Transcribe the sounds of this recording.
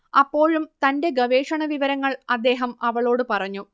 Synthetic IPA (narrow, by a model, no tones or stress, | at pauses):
ɐpːo̞ːɻumt̪ɐnde̞ɡɐʋeːʂɐɳɐʋiʋɐɾɐŋːɐɭɐd̪ːe̞ːɦɐmɐʋɐɭo̞ːɽɨpɐrɐɲːu